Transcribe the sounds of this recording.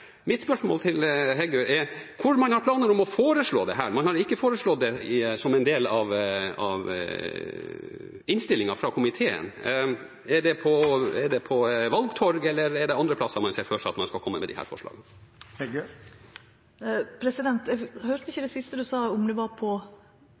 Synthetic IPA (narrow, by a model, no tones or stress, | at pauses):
mɪt̪spœʂmo̰ːlt̪ʰɪlɦɛɡʉʔɛkʰʊɾmɑnhɑɾp̪ʰɑːnəɾɔmɔfoːɾəʂɭoːd̪ɛɦæ̰ːɾmɑnhɑɾɪkːəfoːɾəʂɭɔt̪̚d̪ɛsɔmɛɪnd̪eːlɑʋɑʋ | ɪnst̪ɪlːɪŋɑfɾɑkʰʊmɪt̪ʰeːə̰n | ɛɖɛpʰɔɛɖɛpʰɔʋɑlɡt̪ʰɔɾɡɛlːəɾɛɖɛɑnd̪ɾəpʰlɑsːəɾmɑnseːɾføʂɑt̪mɑnskɑlkʰɔmːə̰mɛ̰d̪ɪhæ̰ːɾfɔ̰ʂlɑ̰ːɡənhɛɡ | pʰɾɛsɪd̪ɛnt̪ɛɡhøːɾt̪əɪçːəd̪ɛsɪst̪əd̪ʉsɑːɔmd̪ɛʋɑɾpʰɔ